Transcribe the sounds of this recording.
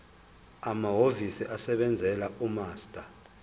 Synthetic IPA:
amaɦovisiʔasɛɓɛnd͡zʱɛlaʔumaːstʼa

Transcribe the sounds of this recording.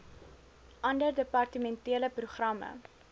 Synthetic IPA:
ʔɐndərdəpɐrtəmɛntiələpruχrɐmə̰

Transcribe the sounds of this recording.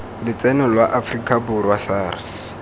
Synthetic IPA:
lɪt͡sʼɛnʊlwaʔafrikʼabʊrwasaːrs

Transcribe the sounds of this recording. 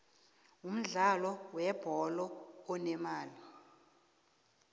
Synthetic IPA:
um̩ɮalɔwɛb̥ʱɔlɔːnɛmaːli

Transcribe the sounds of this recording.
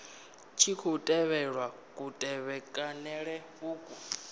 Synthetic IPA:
t͡ʃʰikʰutʼɛβɛɺwa | kʼutʼɛβɛkʼanɛɺɛβuːkʼu

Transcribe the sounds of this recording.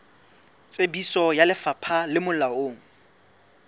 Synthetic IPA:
t͡sʼebisɔjalɪfapʰalɪmʊlaoːŋ̩

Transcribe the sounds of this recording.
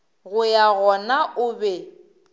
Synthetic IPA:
ɣʊjaɣɔnaʔʊbɛ

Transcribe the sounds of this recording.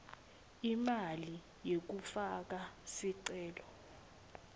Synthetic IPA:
imali | jek̬ufak̬asiǀɛːlɔ

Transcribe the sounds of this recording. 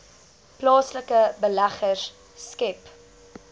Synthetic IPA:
plɑːsləkəbəlæχəsː | kɛp

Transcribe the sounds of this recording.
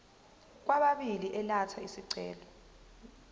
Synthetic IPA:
k̬waɓaɓiliʔɛlatʰaisiǀɛ̰ːlɔ

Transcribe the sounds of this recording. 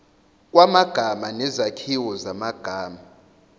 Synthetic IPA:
k̬ʼwamaɡ̥ʱamanɛzakʰiwɔzamaɡ̥ʱaːma

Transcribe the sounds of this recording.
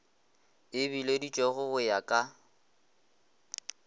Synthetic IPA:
ɪbiledit͡ʃʼɔɣʊɣʊjakʼa

